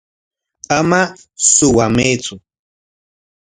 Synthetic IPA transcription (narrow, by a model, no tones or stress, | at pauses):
ama | sʊwamet͡sʊ